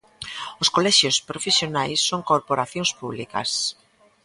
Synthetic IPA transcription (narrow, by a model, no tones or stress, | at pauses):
ʊskolɛʃjʊspɾofesjonajsːoŋkoɾpoɾaθjõŋspuβlikɐ̰s